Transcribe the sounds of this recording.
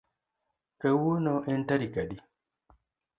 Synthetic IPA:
kawonɔʔɛntaɾikaɗi

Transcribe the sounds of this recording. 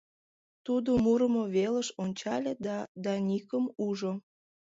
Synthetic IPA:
t̪ud̪omuɾəmoβeləʃonʲt͡ɕɑlʲed̪ɑd̪ɑnʲikəmuʒo

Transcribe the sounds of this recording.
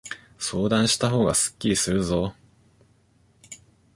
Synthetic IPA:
so̞ːd̪ãɰ̃ɕi̥t̪aɦo̞ːɡasɨ̥kʲːiɾʲisɨɾɯ̟zo̞

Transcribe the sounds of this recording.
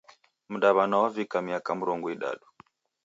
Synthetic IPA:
muɗaβanawavikamiakamuɾɔŋɡɔiɗa̰ɗu̥

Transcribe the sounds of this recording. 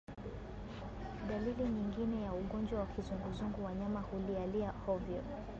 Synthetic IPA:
ɗaliliɲiŋɡinɛjauɠɔnd͡ʒwawakizuŋɡuzuŋɡuwaɲamahulialiahɔvjɔ

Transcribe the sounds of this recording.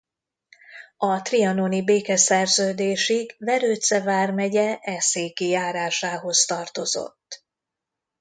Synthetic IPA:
ɒt̪riɒnonibeːkɛsɛrzøːd̪eːʃiɡvɛɾøːt̪sɛvaːrmɛɟɛʔɛseːkijaːɾaːʃaːɦo̞st̪ɒrt̪o̞zo̞̰t̪ː

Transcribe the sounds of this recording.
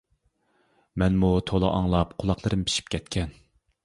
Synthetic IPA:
mɛnmut̪ʰolˠɨ̰ʔɑŋlˠɑpqʰʊlˠɑqlˠɨɾɨmpʰi̥ʃi̥p̚kʲʰɛt̪kʲʰɛn

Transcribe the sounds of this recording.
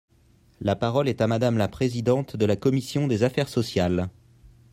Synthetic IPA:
lapaʁɔlɛt̪amad̪amlapχezid̪ɑ̃t̪d̪əlakɔmisjɔ̃d̪ezafɛʁsɔsjal

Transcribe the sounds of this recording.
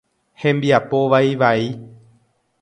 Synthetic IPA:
hembiapoʋajʋai

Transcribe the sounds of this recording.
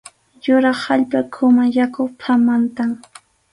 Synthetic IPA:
jʊɾɑχhaʎpakʰʊmajakoχpʰamant̪aŋ

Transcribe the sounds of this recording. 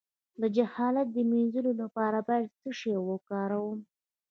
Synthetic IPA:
ləd͡ʒahɑlat̪̚d̪əmenzəlolapɑɾabɑjad̪t͡səʂewəkɑɾawəm

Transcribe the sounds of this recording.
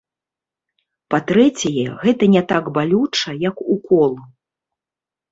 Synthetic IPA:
pat̪ɾɛt͡sʲɐjɛɣɛt̪ɐnʲɛt̪aɡbalʲut͡ʂɐjɐkukɔlˠɐ

